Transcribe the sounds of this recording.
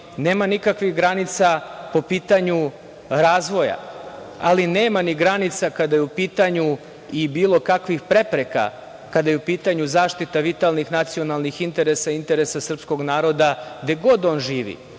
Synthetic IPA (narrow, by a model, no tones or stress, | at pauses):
ne̞ːmanikakʋixɡɾanit̪sapo̞piːt̪aɲu | ɾaːzʋo̞ja̰ | a̰line̞ːmaniɡɾanit̪sakad̪ajeupiːt̪aɲu | ibiːlˠo̞kakʋixpɾe̞pɾeka̰ | kad̪ajeupiːt̪aɲuzaːʃt̪it̪aʋit̪alˠnixnat̪sio̞nalˠnixint̪e̞ɾesaint̪e̞ɾesasr̩psko̞ɡnaːɾo̞d̪aɡd̪eɡo̞d̪o̞ːnʒiːʋḭ